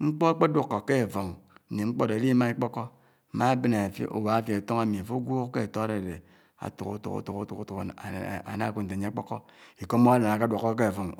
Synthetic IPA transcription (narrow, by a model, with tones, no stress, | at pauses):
ŋ͡m̩˦k͡po˦a˦k͡pe˦dwu˦kːo˨ke˦˨fo˨ŋ̩˨ni˨ŋ͡m̩˦k͡po˦de˨˦li˦ma˦i˦k͡po˦kɔ˦˨˦ | ma˦be˦na˨fḭ˦ʔo̰˨wa˨˦fje˨to˦ŋa˦mi˨a˨fo˦ɡʷo˦ke˦˨to˦a˦ɾe˨de˨ | a̰˨tṵ˨kṵ˦tṵ˨˦ṵ˦tu˨ku˦tu˨ku˦tu˨ka̰˨na˦˨kʷu˦n̩˨te˨ɲe˦k͡po˦kɔ˦ | i˨ko˦mo˦a˦la˨na˨ka˦dʷwo˨kːo˦k̬e˦˨vo˨ŋ